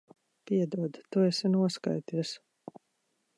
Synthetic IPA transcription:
piɛd̪uɔd̪t̪uɛsinuɔska̰jt̪iɛs

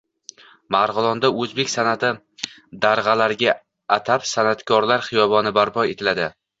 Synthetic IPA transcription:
maɾʁɨlˠɒnd̪aɵzbe̞kʲsanat̪ʰɪ | d̪aɾʁɑlaɾɡʲaː | t̪ʰapsanat̪kʰɒɾlaɾχɪjɒbɒnɪbaɾpʰɒet̪ʰɪlad̪ɪ

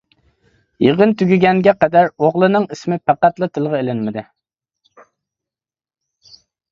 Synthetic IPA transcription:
jeʁənt̪ʰyɡʲyɡʲɛŋɡʲɛqɛd̪æɾoʁlˠɨnɨŋismɪpʰæqæt̪lˠɨt̪ʰɨlˠʁɑelɪnmɪd̪ɪ

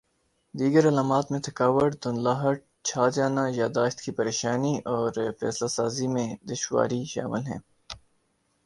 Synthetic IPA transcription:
d̪iːɡəɾɐlaːmaːt̪mẽt̪ʰɐkaːʋəʈd̪ʊnlaːɦəʈ̚ | t͡ʃʰaːd͡ʒaːnajaːd̪aːʃt̪kipɐɾeːʃaːniʔɔːɾfɛ̰ːslasaːzimẽd̪ɪʃwa̰ːɾiʃa̰ːmɪlɦɛ̰̃ː

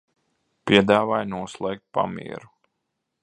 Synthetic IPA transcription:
pʲiɛd̪aːvajnuɔslˠɛːk̚t̪̚pa̰mḭːɛɾu

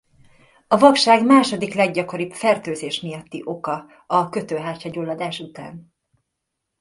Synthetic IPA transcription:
ɒvɒkʃaːɡmaːʃo̞d̪iklɛɡɟɒko̞ɾipfɛrt̪øːzeːʃmijɒt̪ːiʔo̞kɒ | ɒkø̞t̪øːɦaːt͡ʃɒɟolːɒd̪aːʃut̪a̰ːn

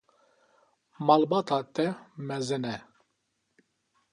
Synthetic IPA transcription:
mɑlbɑːt̪ɑːt̪ɛmɛzɪnɛ

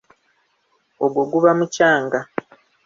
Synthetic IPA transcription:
oɡoɡuβamucaːŋɡa

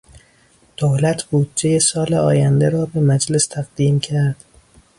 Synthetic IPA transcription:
d̪̥olæt̪ʰb̥uːd̪̚d͡ʒejesɒːleɒːjænd̪eɾɒːbe̞mæd͡ʒlest̪ʰæɣd̪iːmcʰæɾd̪̥

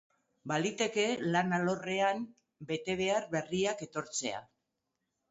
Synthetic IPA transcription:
balit̪e̞ke̞lanalo̞re̞am | be̞t̪e̞β̞e̞aɾβe̞riake̞t̪o̞ɾt͡se̞a̰

